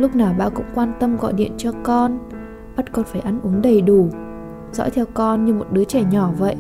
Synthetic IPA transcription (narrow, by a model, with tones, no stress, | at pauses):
lʊ˦˥k͡p̚naː˨˩wɓa̰ː˧˨kʊ̰˧˥ŋ͡mkwaː˧nt̪ə˧mɣɔ̰˧˨jɗḭ˧˨ənt͡ɕɔ˧kɔ˧n | ɓə˦˥t̚kɔ˧nfaː˧˩jʔa˧nʔu˨˦əŋɗə˨˩jɗu˧˩ | zɔ̰˧˥t̪ʰɛ˧wkɔ˧nɲɨ˧mo˨˩t̚ɗɨ˨˦ət͡ɕɛ˧˩ɲɔ˧˩və̰˧˨jʔ